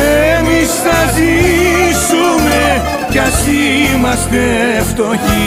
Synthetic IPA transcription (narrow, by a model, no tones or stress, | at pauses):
emisθɐzisume | cɐsimɐst̪e | ft̪oçi